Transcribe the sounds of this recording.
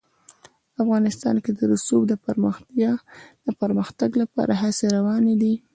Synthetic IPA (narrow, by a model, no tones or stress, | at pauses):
afɣɑnɪst̪ɑ̰nked̪əɾʊsubd̪əpəɾməxt̪jɑd̪̥əpəɾməxt̪aɡlapɑ̰ɾʔaɦaseɾawɑned̪i